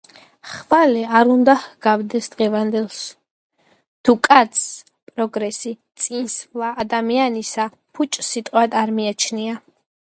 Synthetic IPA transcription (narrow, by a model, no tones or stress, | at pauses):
χvalɛaɾund̪ahɡavd̪ɛsd̪ʁɛvand̪ɛlˠs | t̪ʰukʼat̪sʰ | pʼɾɔɡɾɛsit̪sʼinsvlˠaːd̪amianisa | pʰut͡ʃʼsit̪ʼqʼwad̪aɾmiat͡ʃʰnia